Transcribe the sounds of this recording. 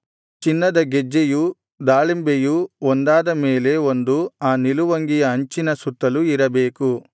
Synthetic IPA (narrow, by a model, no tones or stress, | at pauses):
t͡ʃinːɐd̪ɐɡed͡ʒːeju | d̪aːɭimbejuond̪aːd̪ɐme̞ːle̞o̞nd̪uaːniluʋɐŋɡijɐɐɲt͡ʃinɐsut̪ːɐluiɾɐbeːku